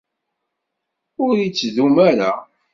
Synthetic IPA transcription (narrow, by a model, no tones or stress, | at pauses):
ʊɾit͡sːðumæɾa̰